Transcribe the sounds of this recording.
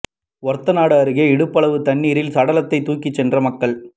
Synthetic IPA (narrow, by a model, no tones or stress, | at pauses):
ʋɔɾt̪ːɐnaːɽɐɐɾɯɣɐɪɽɯpːɐɭɐʋɯt̪ɐɳːiːɾɪlsɐɽɐlɐt̪ːɐɪt̪ːuːkːɪt͡ʃːɛndrɐmɐkːɐɭ